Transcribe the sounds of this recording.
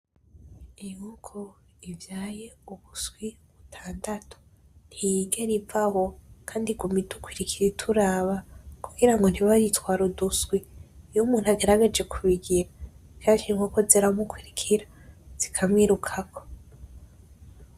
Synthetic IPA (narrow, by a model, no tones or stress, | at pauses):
ijukʰo | ivjaːje̞uβusɡwiβutʰaːndatʰo̥ | n̥hijiɡeɾivaho̞kʰaːndiɡumidukwiɾikʰiɾitʰuɾaːβakuɡiɾaŋɡon̥hiβaɾitwaːɾudusɡwijumuːn̥haɡe̞ɾaɡe̞d͡ʒe̞kʰuβiɡiɾavjaʃiŋokoziɾamukwiɾikʰiɾa | z̥ikʰamŋiɾukʰakʰo̞̥